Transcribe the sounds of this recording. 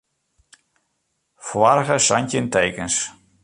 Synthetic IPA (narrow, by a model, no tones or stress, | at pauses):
fʋarɣəsantənteːkəns